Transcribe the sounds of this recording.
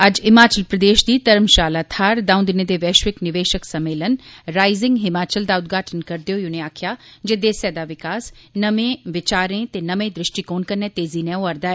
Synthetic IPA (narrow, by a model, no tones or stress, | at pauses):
ɐd͡ʒɪmaːt͡ʃəlpɾəd̪eːʃd̪iːt̪ɐɾəmʃaːlat̪ʰaːɾd̪ãːʊ̃d̪ɪned̪eʋɛːʃʋɪknɪʋeːʃəksɐmeːlənɾaːɪzɪ̃ŋɡɦɪmaːt͡ʃəld̪aʊt̪ɡʱaːʈʰənkɐɾd̪ejojʊneaːkʰjaːd͡ʒed̪eːsɛːd̪aʋɪkaːsnɐmẽʋɪt͡ʃaːɾẽt̪enɐmẽd̪ɾɪʃʈikoːnkɐnːẽt̪eːzinɛ̃oɐɾd̪aːɛː